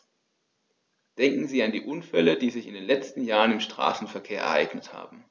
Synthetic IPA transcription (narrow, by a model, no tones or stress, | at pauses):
d̥ɛŋkŋ̩ziːandḭːʔʊnfɛləd̥iːzɪçɪndeːnlɛt͡stn̩jaːʁənɪmʃtʁ̥a̰ːsn̩fɛɐkʰeːɐɛ̰ɐ̰ʔaɪɡ̥nətha̰ːbm̩